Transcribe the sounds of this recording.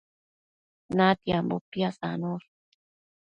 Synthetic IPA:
nat̪jambopjasa̰noɾ

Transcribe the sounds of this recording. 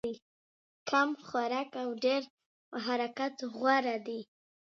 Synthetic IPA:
i | kʰamxwaɾakawɖeɾ | əɦaɾakat̪ɣwaɾad̪i

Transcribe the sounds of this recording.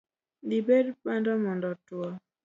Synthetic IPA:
libedpandɔmɔndɔtwɔ

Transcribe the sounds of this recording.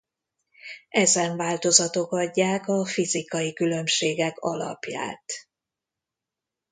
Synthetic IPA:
ɛzɛɱvaːlt̪o̞zɒt̪o̞kɒɟːaːkɒfizikɒjikylø̞mʃeːɡɛkɒlɒ̰pja̰ːt̪

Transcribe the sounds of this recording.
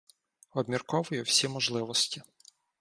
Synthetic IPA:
ɔbmʲirkɔʋʊjʊwsʲimɔʒlˠɪʋɔsʲtʲi

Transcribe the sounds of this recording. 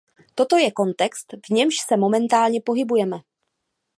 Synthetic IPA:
t̪o̞t̪o̞jɛko̞nt̪ɛkst̪vɲɛmʃsɛmo̞mɛnt̪aːlɲɛpo̞ɦɪbujɛmɛ

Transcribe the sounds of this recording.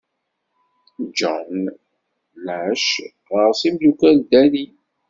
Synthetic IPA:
d͡ʒɔn | læʃ | ʁəɾsimlukæld̪æni

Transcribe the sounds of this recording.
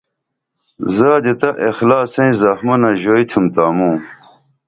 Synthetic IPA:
zaːd̪et̪ɐʔexlaːsẽĩzɐxmɐnɐʑoːit̪ʰumt̪aːmũː

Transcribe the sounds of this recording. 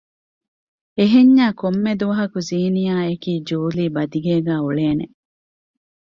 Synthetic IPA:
eɦeɲːaːkomːed̪uʋɐɦɐkuziːnijaːekiːd͡ʒuːliːbɐd̪iɡeːɡæːuɭeːne

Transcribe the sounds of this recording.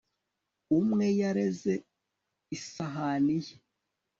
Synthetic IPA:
umŋe̞jaɾeze | isaɦanije

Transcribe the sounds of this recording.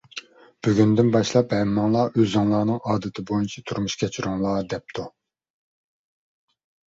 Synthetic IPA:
b̥yɡʲynd̪ynbɑʃlˠɑphɛɾmːɑŋlˠɑʔøzɑŋlˠɑːnɨŋɑːd̪ɨt̪ʰɪbojynt͡ʃʰɛt̪ʰuɾmuʃkʲʰɛt͡ʃʰyɾuŋlˠɑːd̪ɛp̚t̪ʰu

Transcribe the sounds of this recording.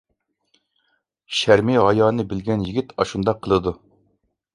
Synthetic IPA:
ʃæɾmiɦɑjɑːnɨbɪlɡʲɛnjiɡʲit̪ʰɑʃund̪ɑqʰːəlˠɨd̪u

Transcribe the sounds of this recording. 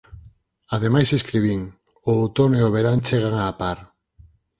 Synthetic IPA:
aðemajseskɾiβ̞iŋ | oːwt̪oneoβeɾant͡ʃeɣ̞aŋaːpaɾ

